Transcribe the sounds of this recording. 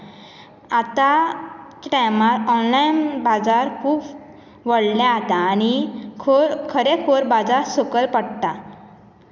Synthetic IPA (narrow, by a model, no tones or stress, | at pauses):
at̪a | ʈajmaɾɔnlajnbad͡zaɾkʰuːp | ʋəɽljãaɦt̪aːñikʰoɾkʰəɾekʰoɾbad͡zaɾsokəɾpəɽt̪a